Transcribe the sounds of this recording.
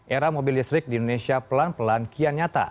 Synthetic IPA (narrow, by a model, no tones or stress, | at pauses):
ʔeɾamobildist̪ɾɪk̚diindonesiapəlanpəlankianɲat̪a̰